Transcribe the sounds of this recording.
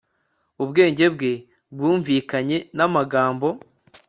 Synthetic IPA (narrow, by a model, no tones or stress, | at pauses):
uβɡe̞ːɲɟe̞bɡe̞ | bɡuːɱviːkaɲe̞namaɡaːmbo̞